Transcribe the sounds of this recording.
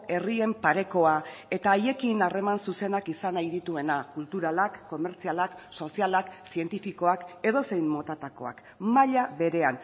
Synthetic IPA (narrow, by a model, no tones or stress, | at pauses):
e̞rie̞mpaɾe̞ko̞ae̞t̪aːje̞kinare̞mansuse̞nakisanajðit̪ue̞nakult̪uɾalakːo̞me̞ɾt͡sialakso̞sialaksie̞nt̪ifiko̞ake̞ð̞o̞se̞jmmo̞t̪at̪ako̞̰a̰k | maʎaβe̞ɾe̞an